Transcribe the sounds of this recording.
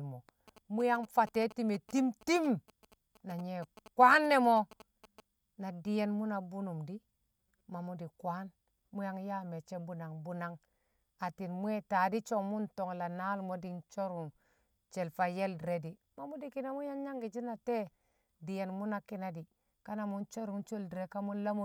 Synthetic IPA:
lmo˨ | mu˦ja˦ŋfa˨te˦ti˦me˨ti˦mti˦m | na˨ɲe˨kwa˦nːe˦mo˦ | na˨di˨je˦nmu˦na˨bu˦nu˨mdi˦ | ma˨mu˦di˨kwʷa˦n | mu˦ja˦ŋja˦me˨t͡ʃe˦bu˦na˨ŋbu˦na˦ŋ | a˨ti˨nmu˦e˦ta˨di˦t͡ʃo˦ŋmu˦nto˨ŋla˨na˦lmo˦di˦nt͡ʃo˦ɾu˨m | t͡ʃe˨lfa˨je˦ldi˨ɾe˦di˨ | ma˨mu˦di˨ki˦na˦mu˦ja˦ŋɲa˦ŋɡi˨d͡ʒi˦na˨te˦ | di˨je˨nmu˦na˦ki˦na˦di˨ | ka˦na˨mu˦nt͡ʃo˦ɾu˨mt͡ʃo˦ldi˨ɾe˨ka˦mu˦n˦la˦mu˦

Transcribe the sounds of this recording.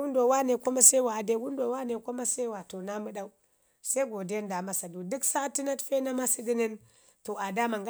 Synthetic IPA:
u˦ndo˨wa˦ne˨ku˦ma˦se˦wa˨de˦wu˦ndo˨wa˦ne˨ku˦ma˦se˦wa˨to˨na˦mɨ˦ɗa˦u˦ | se˦ɡo˨de˦nda˨ma˦sa˨du˨du˦ksa˦ti˦na˦tfe˦na˦ma˦si˦ɡi˦ni˦n | to˨a˨da˦ma˨ŋɡ

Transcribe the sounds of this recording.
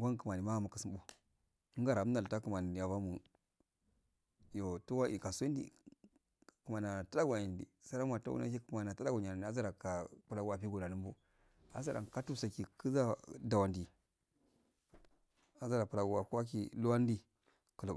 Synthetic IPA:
wa˦nkə˨ma˨ni˨ma˦a˨ma˨kə˨si˦mbu˦ | ɡa˦ɾa˨˦m˦a˨lta˦ku˨ma˨ni˨ja˨va˦mu˨ | jo˨tu˦wa˦ʔi˨ka˨sndḭ˨ | kə˨ma˨na˨ta˦ɗa˦ɡʷa˨ji˨ndḭ˨sa˦ɾa˦ma˨ta̰˦wṵ˦na̰˦ki˦kma˨na˨ta˦ɗa˦ɡo˨ɲa˨a˨n˨˦a˦za˦ɾa˨ka˨pu˨la˨ɡu˦a˨pi˦ɡo˨na˨nu˦mbu˦ | a̰˨˦za˦ɾa̰˨ka˦tu˦sa˨ki˨kə˦za˦da˨wa˨ndi˨ | a˨za˦ɾa˨pu˨la˨ɡu˦wa˨ku˦a˦k̬ḭ˨lu˦a˦n˦di˦ | kə˨la˨

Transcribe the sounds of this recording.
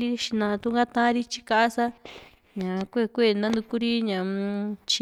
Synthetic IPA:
i˦ʃi˧nã˧t̪u˧ŋɡa˦t̪ã˦ɾi˦t͡ʃi̥˧ka˧ʔa˦sa˦ | ɲã˨kʷe˦˨kʷe˦˨nã˦nd̪u˧ku˦ɾi˦ɲã˨t͡ʃi˧

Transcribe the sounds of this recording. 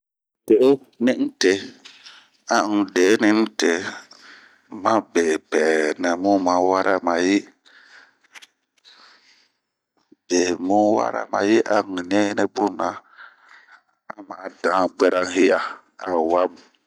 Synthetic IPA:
te˨ʔo˦ | nɪ˦n̩˦te˨ | a˦˨ŋ̩˨de˨˦nɪ˦n̩˦te˨ | mã˦be˨pɛː˨nɛ˨mu˦ma˨˦wa˦ɾʔa˦ma˨ji˦ | b̥e˨mu˦wa̰˦ɾa̰˦ma̰˨ji˦ʔa˨ŋ̩˨ɲɛ˦nɛ˦bʊ˦na˨ | a˦maː˨˦dãː˨˦ɡ͡bɛ˦ɾa˦ŋ˦hi˦ja˨ | a˨wa˦m˨

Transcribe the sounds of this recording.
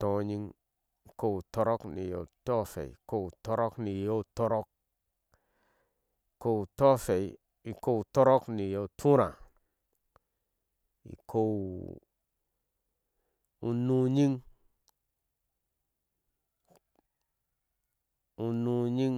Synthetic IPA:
to˨ɲi˦ŋ˨ | ko˦˨wu˨to˦ɾo˦knḭ˨jo̰˨to˦fḛ˨ḭ˨ko˦wu˨to˦ɾo˦kni˨jo˦˨to˦ɾo˦k̚ | i˨ko˦u˨to˦fe˨j | i˨ko˦wu˨to˦ɾo˦kni˨jo˨tʰu˦ɾa˨ | ḭ˨ko˦w | u˦nu˦ɲi˦ŋ | u˦nu˦ɲi˦ŋ

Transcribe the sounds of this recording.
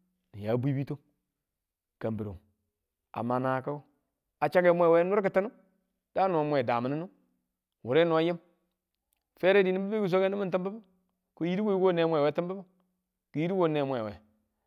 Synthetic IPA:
nḭ˨ja˨˦bʷi˦bi˦to˦ | ka˨mbi˨ɾo̰˨ | a̰˨ma˨na˨ka˦ | a˨t͡ʃa˦ɡe˦mʷ˦e˦˨we˦nu˦ɾki˨ta˦nu˦ | d̥a˦nu˨a˨mʷ˦e˨da˨ma˨ni˦nu˦ | wu˨ɾe˦nu˨a˦ji˦m | fe˦ɾe˦di˨ni˦bi˦be˦ku˨s̬o˦ke˦ni˦mi˦nti˦mba˦bu˦ | ku˦ji˦ɾi˦wo˦wo˦ne˦mʷ˦e˨we˦ti˦mba˦bu˦ | ku˨ji˦ɾi˦wo˦ne˨˦mʷ˦e˨wḛ˨

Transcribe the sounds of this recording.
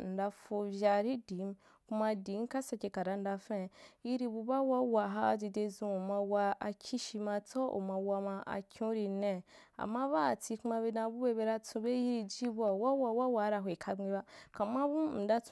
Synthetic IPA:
n̩˨da˧fo˧vʲja˧ɾi˦di˨˦m | ku˦ma˧di˨˦ka˦sa˨˧ke˧ka˨ɾa˨˦n̩˦da˧fẽ˦˨ji˦ɾi˧bu˧ba˦wa˦wa˧ɦa˦˨d͡ʒi˧de˧zũ˧u˨ma˧wa˧a˧kʲʰi˦ʃi˧ma˧t͡so˦ṵ˨ma˧wa˧ma˧a̰˨kʰʲũ˦ɾi˧nẽ˦˨ | a̰˨mːa˦βa˦˨t͡si˧kma˧βe˧dã˧bu˦be˦be˧ɾa˦t͡sũ˧be˦ji˦ɾi˧d͡ʒi˦bu˦a˨wa˦wa˧wa˦wa˨˦ɾa˧ɦe˨kʰa˧ɡ͡bi˧ba˦ka˨ma˦bu˦n̩˨da˦t͡s

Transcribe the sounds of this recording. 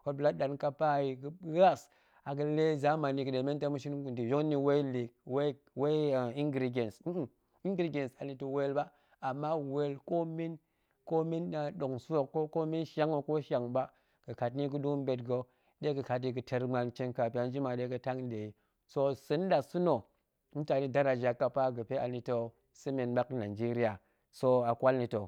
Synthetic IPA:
ko˨bla˦tɗa˨nka˦pa˦˨ji˨ɡɨ˦ɣa˦s | a˨ɡɨ˦le˦za˨˦ma˨ni˨kɨ˨ɗe˨me˦nta˦mu˦ʃi˦nu˨di˨jo˦kni˨we˦li˨kwe˦ | we˦˨i˦ŋɡɾi˨ɡe˨ns | i˦ŋ˦ɡɾi˨ɡʲe˨nsa˨ni˨tu˨we˦lba˦ | a˨mːa˦we˨lko˦mi˦n | ko˦mi˦na˨ɗo˨ŋso˦˨kːo˦ko˦mi˦nʃa˦ŋo˨ko˦ʃa˨ŋba˦ | ɡ̥ə˨ka˨tni˦ɡu˦du˦m˦be˨tɡo˦ | ɗe˦ɡə˨ka˨t̬i˨ɡə˨tʰe˨ɾma˨nt͡ʃe˦nka˨pi˦a˨˦n˦d͡ʒi˦ma˨de˦ɡə˨ta˦ŋn˦de˨i˨ | so˦sɨ˨˦n˦da˨su˦no˨ | mu˦ta˨ni˦da˦ɾa˨d͡ʒa˨kːa˨pa˦ɡə˨pe˦ʔa˨ni˨to˦ | sɨ˦me˨nɓa˦kna˨d͡ʒi˦ɾi˦ja˨ | so˦a˨kʷa˦lni˨to˨

